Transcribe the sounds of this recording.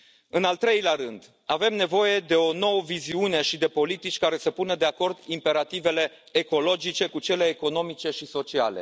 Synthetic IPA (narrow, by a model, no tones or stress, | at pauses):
ɨnalt̪ɾe̞jleaɾɨnd̪ | ave̞mne̞vo̞je̞d̪e̞o̞no̞wəviziuneʃid̪e̞po̞lit̪it͡ʃʲkaɾe̞səpunəd̪e̞ako̞rd̪impe̞ɾat̪ive̞le̞ː | ko̞lo̞d͡ʒit͡ʃe̞kut͡ʃe̞le̞ːko̞no̞mit͡ʃe̞ʃiso̞t͡ʃia̰lḛ